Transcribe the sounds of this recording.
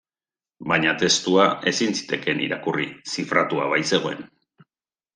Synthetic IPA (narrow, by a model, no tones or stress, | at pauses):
baɲat̪e̞st̪uae̞sinsi̥t̪e̞ke̞nḭɾakurisifɾat̪ua̰βajse̞ɣ̞o̞e̞n